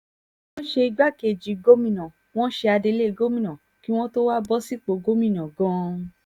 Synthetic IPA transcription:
w̃ɔ̃˦ʃe˧i˧ɡ͡ba˦˨ke˨d͡ʒi˨ɡo˦mĩ˦˨nã˨ | w̃ɔ̃˦ʃe˧a˧de˧le˦˧ɡo˦mĩ˦˨nã˨ | ki˦w̃ɔ̃˦to˦wa˦bɔ˦si˦k͡po˧˦ɡo˦mĩ˦˨nã˨ɡɔ̃˦

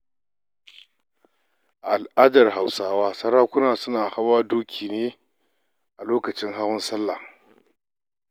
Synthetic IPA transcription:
ʔa˨lʔaː˦dɐ˨rɦa˨wsaː˦waː˦sɐ˦ɾaː˦kʷʊ˦naː˨sʊ˦naː˨ha˦waː˦duː˦kʲʰiː˨neː˦ | ʔa˨loː˦kɐ˨t͡ʃɪ˦ŋɦa˦wʊ˦nsɐ˦lːa̰˨

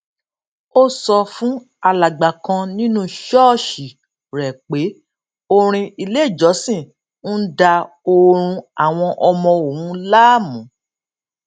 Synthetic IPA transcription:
o˦sɔ˧fũ˦ | a˧la˨ɡ͡ba˨kã˧nĩ˦nũ˦ʃɔː˦˨ʃi˨ | ɾɛ˨k͡pe˨˦ | o˧ɾ̃ĩ˧i˧le˦˨d͡ʒɔ˨˦sĩ˦˨ | n̩˦da˧ | o˧ɾ̃ũ˧a˦˨w̃ɔ̃˧ʔɔ˧mɔ̃˧o˨wũ˨˦la˦˨mũ˨˦

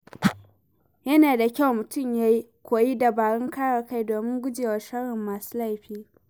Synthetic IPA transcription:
jɐ˦naː˨da˨kʲa˦˨wmʊ˨tʊ˦˨mjaː˦ji˦kʷoː˨ji˦da˨baː˨ɽɪ˦ŋkaː˦ɽaː˨ka˦jdoː˨mɪ˦ŋɡʷʊ˦d͡ʒeː˨wɐ˨ʃɐ˦ɽɪ˨mːaː˨su̥ː˦la˦˨jɸiː˦

